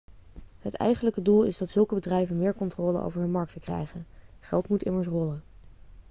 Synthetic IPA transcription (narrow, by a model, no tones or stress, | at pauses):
ɦətɛ̰jχənləkədulˠɪ̰zdɑtsɵlˠkəbədrɛjvənmɪːɹkɔntrɔːlə̰ʔo̰wvəɹdəmɑɹk̚təkrɛ̰jχənχɛlˠtmutɪməɹs̬rɔlən